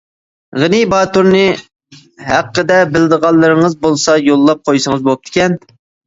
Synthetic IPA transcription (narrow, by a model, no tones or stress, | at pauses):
ʁənibɑːt̪uɾnɨ | ɦæqːəd̪ɛbɪlɪd̪əʁɑlˠːɨɾɨŋəzbolˠsɑjolˠːɑp̚qʰojsəŋəzbop̚t̪ʰɪ̥kʲɛn